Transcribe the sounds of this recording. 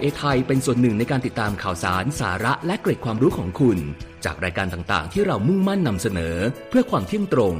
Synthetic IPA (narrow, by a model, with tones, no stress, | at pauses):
ʔeː˧t̪ʰa˧jpe˧nsu˨˩ənːɯ˨˩ŋna˧jkaː˧nt̪i˨˩t̪ːaː˧mkʰaː˨˩wsa̰ː˩˦nsaː˩˦ɾa˦˥ʔlɛ˦˥kleː˨˩kʰwaː˧mɾuː˦˥kʰɔː˩˦ŋkʰu˧nt͡ɕa̰ː˨˩k̚ɾaː˧jkaː˧nt̪aː˨˩ŋt̪a̰ː˨˩ŋt̪ʰiː˥˩ɾa˧wmu˥˩ŋma˥˩nːa˧msa˧nɤː˩˦pʰɯ˥˩əkʰwaː˧mt̪ʰi˥˩əŋt̪ɾo˧ŋ